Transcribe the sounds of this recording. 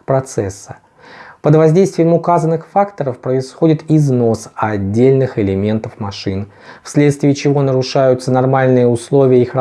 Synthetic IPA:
pɾɐt̪sɛsːə̥ | pəd̪vɐzʲdʲejst̪vʲɪjɪmʊkazənːɨxfakt̪əɾəfpɾəɪsxo̞dʲɪt̪ɪzno̞sɐdʲːelʲnɨxɪlʲɪmʲe̞nt̪əfmɐʂɨn | fsʲlʲe̞t̪st̪vʲɪːt͡ɕɪvo̞nəɾʊʂajʊt̪sənɐrmalʲnɨjəʊslˠo̞vʲɪjəixɾɐ

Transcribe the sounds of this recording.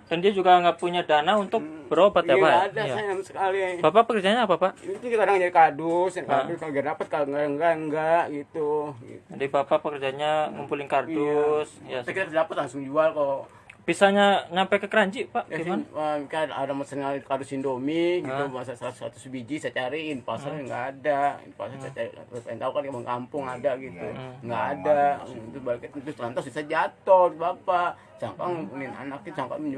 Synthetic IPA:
dandiad͡ʒuɡaŋɡaʔpuɲadanaunt̪ʊk̚bəɾobat̪jaaɡaːdajasajmsə̥kaliabapapəkərd͡ʒaɲaːpapaʔit̪ʊkikadaŋəd͡ʒadikadʊsakakaɡadapət̪̚kaŋɡaŋɡaʔəŋɡaʔɡit̪uɡḭadabapapəkərd͡ʒaɲaŋumpulɪnkardusjaakit̪akdapat̪̚laŋsʊŋd͡ʒualkalo | pisaɲaɲampekəkəɾaɲd͡ʒiʔpaʔjaikaa̰damasanŋakardʊsindomiɡit̪umasasasɾa̰t̪ʊ̥sbid͡ʒisat͡ʃaɾiːnpasalŋɡa̰ːda̰pasaat͡ʃapaint̪aukankaməŋkampʊŋadaɡit̪ṵŋɡaːdat̪ubalkt̪t̪ʊst̪lant̪asbisad͡ʒat̪ɔt̪bapaʔ | saŋkaŋunina̰nak̚t̪isaŋka̰ŋmɲd͡ʒu

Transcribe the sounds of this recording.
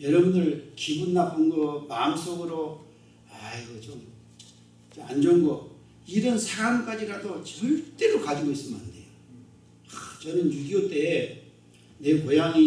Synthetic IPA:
jʌɾʌbunɯɭkibunːapʰanɡʌmams͈oɡɯɾo | aiɡʌt͡ɕom | ea̰nd͡ʑʌŋɡʌ | iɾʌnsʰaɾamk͈ad͡ʑiɾadot͡ɕʌɭt͈e̞ɾokad͡ʑiɡois͈ɯmnde̞̰jo | t͡ɕʌnɯnjuɡiot͈e̞ | ne̞pojaŋi

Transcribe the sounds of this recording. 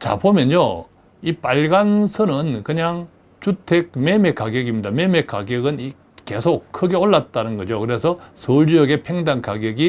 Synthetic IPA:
t͡ɕa̰bomjʌnjo | ipaɭɡansʰɯnɯnkɯɲaŋ | t͡ɕutʰek̚me̞mekaɡjʌɡimɲidame̞mek͈a̰ɡjʌɡɯni | ke̞̰sʰokʰɯɡe̞oɭːat̚t͈anɯnɡʌd͡ʑokɯɾe̞sʰʌsʰoɭd͡ʑijʌɡe̞pʰeŋdankaɡjʌɡi

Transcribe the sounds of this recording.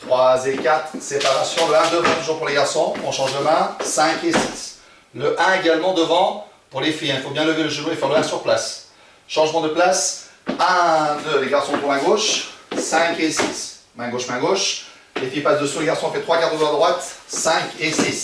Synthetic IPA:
t̪χwazekat̪χsepaʁasjɔ̃d̪əɛ̃d̪əvɛ̃d̪əʒuʁpuʁleɡaʁsɔ̃ɔ̃ʃɑ̃ʒləmɛ̃sɛ̃kesis | ləʔɛ̃eɡalmɑ̃d̪əvɑ̃puʁlefiɛ̃ilfobjɛ̃ləveləʒəvøefɛʁləɛ̃syʁplas | ʃɑ̃ʒmɑ̃d̪əplasɛ̃d̪əleɡaʁsɔ̃t̪umɛ̃ɡoʃsɛ̃kesismɛ̃ɡoʃmɛ̃ɡoʃ | lefipasd̪əsuleɡaʁsɔ̃fɛt̪χwakat̪d̪əɡwaəd̪ʁwat̪sɛ̃kesis

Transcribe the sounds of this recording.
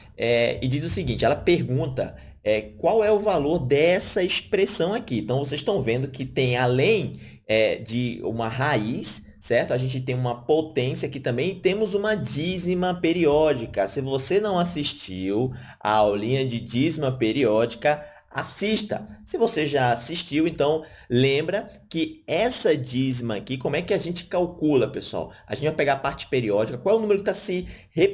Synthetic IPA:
ɛɪ̰d͡ʒizʊsɪɡĩnt͡ʃɪɛlɐpeɾɡũt̪ɐ̰ | ɛkwawɛʊvaloɾd̪ɛsɐispɾesɐ̃w̃akiẽt̪ɐ̃w̃voseziʃt̪ɐ̃w̃vẽnd̪ʊkɪt̪ẽj̃alẽj̃ | ɛd͡ʒɪṵ̃mɐɦaisː | ɛɾt̪ʊaʒẽnt͡ʃɪt̪ẽj̃ũmɐpot̪ẽsiɐakɪt̪ɐ̃mbẽj̃t̪ẽmʊzũmɐd͡ʒizimɐpeɾiɔd͡ʒikɐsɪvosenɐ̃w̃asiʃt͡ʃiw | a̰awlĩɲɐd͡ʒɪd͡ʒizmɐpeɾiɔd͡ʒikɐ | asiʃt̪ɐ̰sɪvoseʒaasiʃt͡ʃiwẽnt̪ɐ̃w̃ | lẽmbɾɐkɪɛsɐd͡ʒizmɐːkikõmʊɛkɪaʒẽnt͡ʃɪ̥kawkulɐpesua̰wa̰ʒẽt͡ʃɪvajpɛɡaɾpaɾt͡ʃɪ̥peɾiɔd͡ʒikɐkwawɛʊnũmeɾʊkɪt̪asɪhe

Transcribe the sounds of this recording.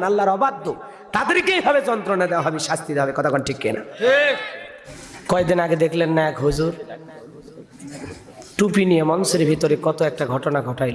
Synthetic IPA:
nalːaɾɔbad̪ʱːo | t̪ad̪eɾkeibʱabed͡ʑɔnt̪ɾonad̪ewaɦɔbiʃast̪id̪ɦabekɔt̪ʰakɔnʈʰikːena̰ | kɔek̚d̪inaɡed̪ekʰlenːaɛkɦud͡ʑuɾ | ʈupinijemɔnseɾbʱit̪oɾekɔt̪oɛk̚ʈaɡʱɔʈonaɡʱɔʈajl

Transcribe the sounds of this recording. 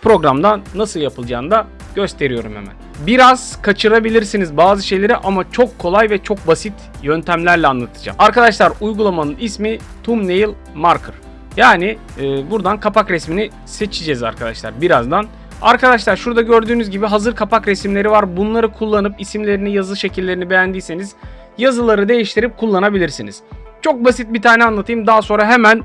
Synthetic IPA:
pʰɾo̞ɡɾamd̪anːasɯlˠjapʰɯlˠd͡ʒaːnd̪a | ɟ̥ø̞st̪ʰe̞ɾijo̞ɾumhḛmæ̰nbiɾaz̥kʰat͡ʃʰɯɾabilʲiɾsinizbaːzɯʃe̞jlʲe̞ɾiʔamat͡ʃʰo̞kʰːo̞lˠajvɛt͡ʃʰo̞k̚basit̪ʰ | jønt̪ʰæmlʲæɾlʲɛanˠat̪ʰɯ̥d͡ʒa̰maɾkad̪aʃlˠaɾujɡulˠamanɯnismi | t̪ʰumnejilʲˠ | maɾkʰɯɾ̥ | jaːniː | buɾd̪ankʰapʰakɾɛsmini | se̞t͡ʃʰid͡ʒɛza̰ɾkʰad̪a̰ʃlˠa̰ɾbiɾazd̪an | a̰ɾkad̪aʃ̬lˠaɾʃuɾd̪aɟøɾd̪yːnyzɟibiɦazɯɾkʰapʰakɾɛsmlʲe̞ɾivaɾbunlˠaɾɯkʰulˠːanɯpisimlʲe̞ɾinijazɯʃe̞cʰilʲːe̞ɾinibe̞jænd̪iːse̞niz̥ | jazɯlˠaɾɯd̪e̞jiʃt̪ʰiɾip̚kʰulˠːanabilʲiɾsiniz̥t͡ʃʰo̞k̚basit̪̚bit̪ʰaːnɛanlˠat̪ʰɯjɯmd̪aɦaso̞nɾaɦemæn

